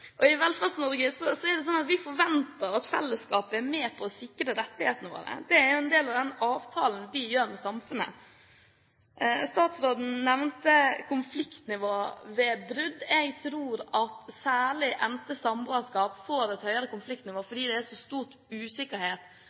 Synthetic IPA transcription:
ʔɔɪʋɛlfɑlsnɔɾɡəsɔsɔɛɖ̪ɛsɔnːɑt̪ʋɪfɔɾʋɛnt̪əɾɑt̪fɛ̰lːəskɑːpəæɾmɛːpʰɔːsɪkːɾəɾɛt̪ːɪheːt̪ənəʋo̰ːɾə̰d̪ɛæɾjʊɛnd̪eːlɑʋd̪ɛnɑːʋt̪ʰɑːlnʋɪjøːɾmɛsɑmfʉnə̰ | st̪ɑːt̪sɾoːd̪n̩nɛʋnt̪əkʰʊnflɪkt̪nɪʋoːʋɛbɾʉd̪ɛɡt̪ʰɾuːɾɑt̪sæːɭɪʔɛnt̪əsɑmboːəskɑːpfoːɾɛt̪hœʏɑɾəkʊnflɪkt̪nɪʋoːfɔɖiːd̪ɛæʂɔst̪uːt | ʉːsɪkːəɾheːt̪

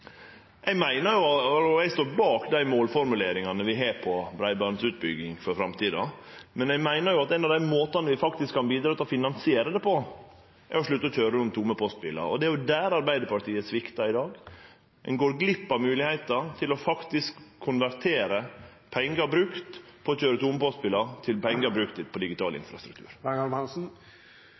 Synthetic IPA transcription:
ʔɛɡmæɪnəɾjʊɑɔɛɡst̪oːɾbɑːkd̪æɪmoːlfɔɾmʉleːɾɪŋɑnəʋɪɦeːɾpʰɔbɾæɪbɑɾnsʉːt̪̚bʏ̰ɡɪŋfɔɾfɾɑmt̪ʰiːd̪ɑ̰ | mɛnɛmæɪnəɾjʊɑt̪ɛnɑʋd̪æɪmoːt̪ɑnəʋɪfɑkt̪ɪskʰːɑnbiːd̪ɾɑːt̪ʰɛlɔfɪnɑnsɪeːɾəd̪ɛpʰɔ | ʔɛ̰ɾɔʂɭʉt̪ːəɔc͡çøːɾəʊmt̪ʰʊməpʰɔst̪pɪlɑ̰ɔ̰d̪ɛæɾjʊd̪æːɾɑɾbæɪd̪əɾpɑʈʰiːəsʋɪkt̪ɑɪd̪ɑːɡ | ɛ̰nɡoːɾɡlɪpːɑmʉːlɪhæɪt̪ət̪ʰɪlɔfɑkt̪ɪskʰːʊnʋæɾt̪ʰeːɾə | pʰɛŋːɡəɾbɾʉkt̪pʰɔɔt͡ɕøːɾət̪ʰʊməpɔst̪̚pɪlɑt̪ʰɪlpɛŋɡəɾbɾʉkt̪ɪpʰɔd̪ɪɡɪt̪ʰɑ̰ːlɪ̰nfɾɑ̰st̪ɾʉkt̪ʰʉ̰ːɾæŋɑɾmɛnsn̩

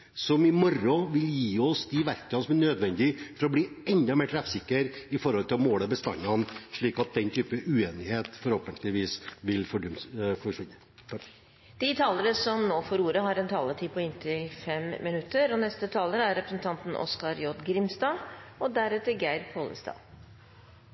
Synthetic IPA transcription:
sɔmɪmɔɾɔʋɪljiːɔsd̪ɪʋæɾkɑnsɔmænøːd̪ʋɛnd̪ɪfɔɾɔbliːɛnd̪ɑmeːʈ̪ʰɾɛfsɪkːəɾɪfɔɾhɔlt̪ʰɪlɔmoːləbəst̪ɑ̰nːɑnʂɭiːkɑt̪̚d̪ɛnt̪ʰyːpəʔʉeːnɪheːt̪fɔɾhoːpənt̪ʰlɪʋiːsʋɪlfɔɖʉfɔʂʋɪnːə | d̪̥ɪt̪ʰɑːləɾəsɔmnoːfɔɾuːɾəɦɑɾɛnt̪ʰɑːlət̪ʰiːpʰɔɪnt̪ʰɪfɛmmɪnʉt̪ːəɾɔnɛst̪ət̪ʰɑːləɾæɾɛpɾəsən̩t̪ʰɑnt̪n̩ʔɔ̰skɑɾjɔd̪ɡɾɪmst̪ɑːɔd̪æɾɛt̪ːəɡæɪɾpʰoːlə̰st̪ɑ̰ː

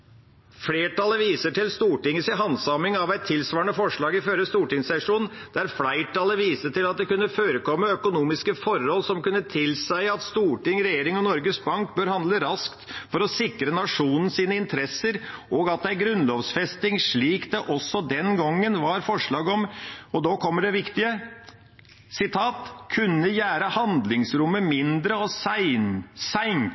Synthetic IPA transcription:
fleːʈɑləʋiːsəʈɪlst̪uːʈɪŋːəsɪɦɑnsɑmɪŋɑʋæɪt̪ʰːɪlsʋɑːəɳəfɔʂɭɑːɡɪføɾəst̪uːʈɪŋsɛʂuːn | d̪̥æɾflæɪʈʰɑləʋiːsəʈɪlɑt̪̚d̪ɛkʉnːəføːɾəkɔmːəœkʊnuːmɪskəfɔɾhɔlːsɔmkʉnːət̪ʰɪlsæɪɑt̪st̪uːʈɪŋɾɛjeːɾɪŋɔnɔɾɡəsbɑŋkbøːɾhɑnd̪ləɾɑskt̪fɔɾɔsɪkɾənɑʂuːnn̩siːnəɪnt̪ʰɾɛsəɾʔɔːɡɑt̪̚d̪ɛæɾɡɾʉnloːʋsfɛst̪ɪŋʂɭiːkd̪ɛʔɔsːɔd̪ɛnɡɔŋːənʋɑɾfɔʂɭɑːɡɔmɔd̪oːkʰɔmːəɖɛʋɪkt̪ɪə | sɪt̪ʰɑːt̪kʰʉnːəjæːɾəhɑnd̪lɪŋsɾʊmːəmɪnd̪ɾəɔsɪnsæɪn

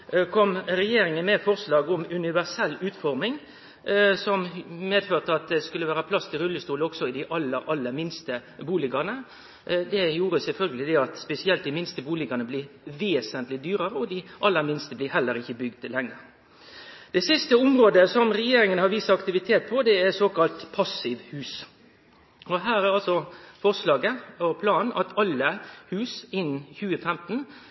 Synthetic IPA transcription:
kʰɔmɾɛjeːɾɪŋənmɛfɔɾslɑːɡɔmʉnɪʋæʁsɛlːʉːt̪fɔɾmɪŋ | sɔmmeːd̪føːʁt̪əɑt̪̚d̪ɛskʉləʋæːɾəpʰlɑst̪ʰɪlɾʉlːəst̪uːləɔksɔɪd̪ɪʔɑlːəɾɑlːəmɪnst̪əbuːlɪɡɑʁnə | d̪ɛjuːɾəsɛlfœlɡəlɪd̪ɛɑt̪spɛsɪɛlt̪̚d̪ɪmɪnst̪əbuːlɪɡɑnəblɪːʋeːsənt̪lɪd̪yːɾəɾəɔd̪ɪʔɑlːəmɪnst̪əblɪːɦɛlːəɾɪçːəbʏɡd̪lɛŋːəɾ | d̪̥ɛsɪst̪əʊmɾoːd̪əsɔmɾɛjeːɾɪŋənhɑɾʋiːsɑɑkt̪ɪʋɪt̪ʰeːt̪̚pʰɔd̪ɛæsoːkɑlt̪pʰɑsɪʋhʉːs | ɔɦæːɾæɾɑlsɔfɔʁʂlɑːɡəɔpʰlɑːnnʔɑt̪ʰɑlːəhʉːsɪn̩ːçʉːəfɛmt̪n̩

